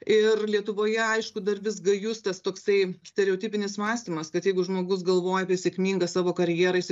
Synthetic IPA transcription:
ɪrlʲiɛt̪ʊʋoːjɛɐɪʃkʊd̪ɐrʋʲɪs̬ɡɐjʊst̪ɐst̪oːksɐɪsʲt̪ʲɛɾʲɛoːt̪ʲiːpʲɪnʲɪsmɑːsʲt̪ʲiːmɐskɐt̪jɛɪɡʊʒmoːɡʊs̬ɡɐlˠʋoːjɛɐpʲiɛsʲeɛkmʲiːŋɡɐsɑːʋoːkɐɾʲjɛːɾɐɪs

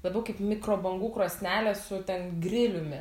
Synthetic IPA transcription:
lˠɐbʲɐʊkɐɪpmʲɪkɾoːbɐŋɡuːkɾoːsʲnʲæːlʲɛsʊt̪ʲɛnɡrʲɪlʲʊmʲɪ

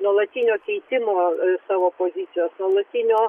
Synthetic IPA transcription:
nɔlˠɐt̪ʲinʲɔkʲijt̪ʲɪmɔsɐʋɔpɔzʲit͡s̪ʲijɔsnɔlˠɐt̪ʲinʲɔ

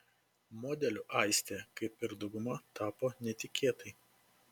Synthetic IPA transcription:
moːd̪ʲɛlʲʊːʔɐˑɪsʲt̪ʲeːkɐɪpɪɾd̪ɐʊɡʊmɐt̪ɑːpoːnʲɛt̪ʲɪkʲʰeːt̪ɐɪ

